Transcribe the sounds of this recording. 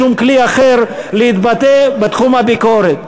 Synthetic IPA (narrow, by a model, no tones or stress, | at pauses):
umkliaχeɾleit̪bat̪ebet̪χumhabikoɾet̪